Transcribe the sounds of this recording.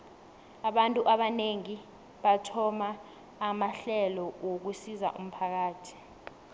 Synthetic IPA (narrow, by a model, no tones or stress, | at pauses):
aɓantʼuʔaɓaneŋi | ɓatʰɔmaː | maɬɛlɔwok̬usiza̰ʔṵm̩pʰak̬aːtʰi̥